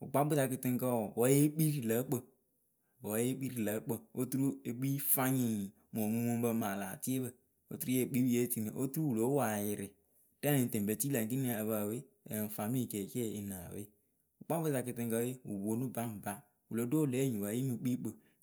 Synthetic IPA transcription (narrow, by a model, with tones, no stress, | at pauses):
ṵ˨k͡pa˦bu˦ta˧ki˨ti˦ŋ˦kə˦wɔ˨wɔ˦je˦k͡pi˦ɾi˨lə˨˦k͡pə˨ | wɔ˦je˦k͡pi˦ɾi˨lə˨˦k͡pə˨o˦tu˦ɾu˦e˨k͡pi˦fa˦ɲĩ˨ | mo˨mu˦mo˦m˦bə˧ma˨laː˨ti˦e˦bə˨ | o̰˦tu˦ɾu˦e˨k͡pi˦je˦ti˦˨ni˨ʔo˦tu˦ɾu˦wu˨lo˨˦wa˨jɪ˨ɾɪ˨ | tɛ˦ne˨n˨te˨bə˨ti˦la˨ŋ˨k̬i˦ni˦˨ə˨βa˨we˦˨ | n̩˨fa˨mi˦˨ke˨ke˦i˨naː˨wḛ˦ | u˨k͡pa˦bɨ˦ta˧ki˨˧ti˧ŋ˦kə˦e˦wṵ˨wo˨˦nu˦ba˦m̩˨ba˦ | wu˨lo˨˦do˦˨le˨˦ɲĩ˨wa˨˦e˦nu˨k͡pi˦k͡pə˨